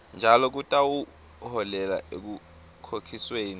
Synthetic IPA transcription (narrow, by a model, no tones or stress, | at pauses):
nd͡ʒʱalɔk̬utʼawu | hɔlɛla̰ʔek̬u | kʰokʰisweːni